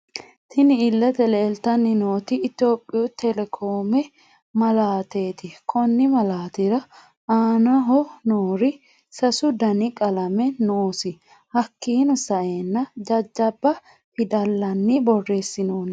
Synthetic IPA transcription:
t̪ʰɪnɪɪlːɐt̪ɛleːlt̪ɐnːɪno̞ːt̪ɪːt̪o̞ːpʼːɪjot̪ʰɛlɛkʰoːmɛ | mɐlaːt̪e̞ːt̪ɪkʰɔnːɪmɐlaːt̪ɪɾɐ | aːnɐɦɔnoːɾɪ | sɐsʊd̪ɐnɪkʼɐlɐmɛnoːsɪ | hɐkːiːnɔsɐʔe̞ːnːɐd͡ʒɐd͡ʒːɐbːɐ | pɪd̪ɐlːɐnːɪbɔrːeːsːɪnoːn

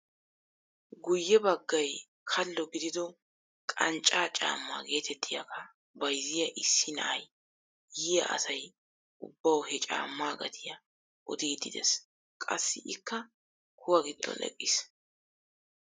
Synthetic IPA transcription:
ɡʊjːɛbɐɡːɐj | kʰɐlːɔɡɪd̪ɪd̪ɔ | kʼɐnt͡ʃʼːaːt͡ʃʼa̰ːmːa̰ːɡe̞ːt̪ɛt̪ʰːɪjɐkʰɐ | bɐjzɪjɐʔɪsːɪnɐ̰ʔɐj | jɪjɐ̰ʔɐ̰sɐj | ʊbːɐwhɛt͡ʃʼa̰ːmːaːɡɐt̪ʰɪjɐ | ʔɔd̪iːd̪ɪd̪ɛ̰s | kʼɐsːɪʔɪkːɐ | kʰʊwɐɡɪd̪ːɔ̰nɛ̰kʼːɪs

